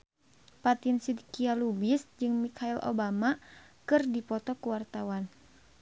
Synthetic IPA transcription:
pat̪insidkialubisd͡ʒɨŋmikʰailʔo̰bamakɨrdipɔt̪ɔkuwart̪awan

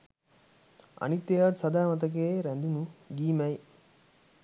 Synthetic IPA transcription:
ɐ̰nit̪ːɐjaːt̪sɐd̪aːmɐt̪̬ɐk̬eːɾænd̪unuɡiːmɛj

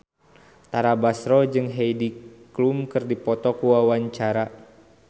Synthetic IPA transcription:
t̪aɾabasɾɔd͡ʒɨŋɦejdiklumkɨrdipɔt̪ɔkuwawaɲt͡ʃaɾa

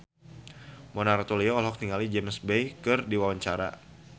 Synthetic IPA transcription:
mɔnaɾat̪oliɔːlɦɔk̚t̪iŋalid͡ʒɛmsbejkɨrdiwawaɲt͡ʃaɾa̰

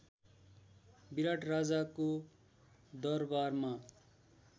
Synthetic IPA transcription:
biɾaʈrad͡zako | d̪ʌrbarma

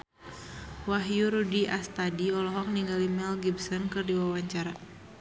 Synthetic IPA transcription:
waɦjuɾudiʔast̪adiɔlɔɦɔk̚niŋɡalimɛlɡibsɔnkɨrdiwawaɲt͡ʃaɾa

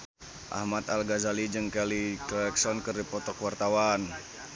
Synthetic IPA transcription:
ʔa̰hmat̪alɡazalid͡ʒɨŋkɛlikɔɛksɔnkɨrdipɔt̪ɔkwart̪awan

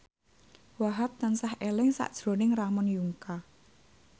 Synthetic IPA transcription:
waɦat̪̚ːansahʔelɪŋsa̰ʔd̥ʒ̥ɾo̤nɪŋramɔnjuŋka

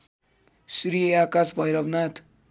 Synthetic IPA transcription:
sɾieakasbʱʌjɾʌbnat̪ʰ

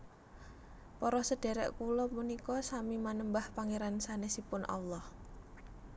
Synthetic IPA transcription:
pɔɾɔsəɖ̥ɛ̤ɾɛ̰ʔkulɔmunikɔsamimanəmbahpaŋeɾansanesipʊnʔɑ̰lːɔh

